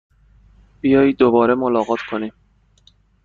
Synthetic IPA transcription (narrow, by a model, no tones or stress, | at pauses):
b̥ijɒːjiːd̪obɒːɾe̞molɒːɣɒːt̪ʰkʰoniː